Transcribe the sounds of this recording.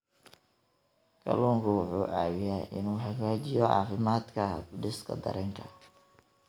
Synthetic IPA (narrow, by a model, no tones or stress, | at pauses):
kʰɐ̰luːŋkʰʊwʊħuːʔaːwɪjaʔɪ̰nuːħɐɣaːt͡ʃɪjɔʕɑ̰ːfɪmaːd̪kʰɐɖɪskʰɐ̰d̪ɐ̰ɾɛŋkʰɐ